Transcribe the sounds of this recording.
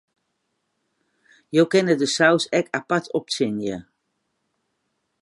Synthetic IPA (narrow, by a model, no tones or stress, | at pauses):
jowkɛnədəsawsɛkapatʰɔp̚sɪnjə